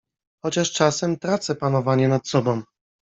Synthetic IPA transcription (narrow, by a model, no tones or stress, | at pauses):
xɔt͡ɕaʂt͡ʂasɛmt̪ɾat̪sɛpanɔvaɲɛnat̪sɔbɔ̃w̃